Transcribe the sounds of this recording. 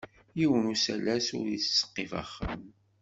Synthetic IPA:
jiwənusælæsʊ̰ɾjit͡sːsːə̥qːefa̰χːə̰m

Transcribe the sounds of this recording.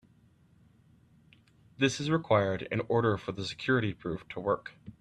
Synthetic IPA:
ðɪsɨzɹɨkʰw̥aɪə˞ɾɨ̰̃nɔɹɾə˞fə˞ðəsɨ̥kʰj̥ʊɹɨɾipʰɹ̥ʉftʰəwɜ˞k

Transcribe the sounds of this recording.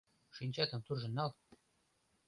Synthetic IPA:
ʃinʲt͡ɕɑt̪ɤ̆mt̪urʒɤ̆nːɑlˠ

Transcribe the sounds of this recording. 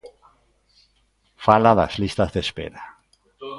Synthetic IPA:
falaða̰zlist̪azðespḛɾa

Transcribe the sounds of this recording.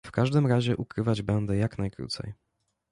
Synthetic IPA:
fkaʐd̪ɘmɾaʑɛʔukɾɘvad͡ʑbɛnd̪ɛjaknajkɾṵt̪sɛ̰j

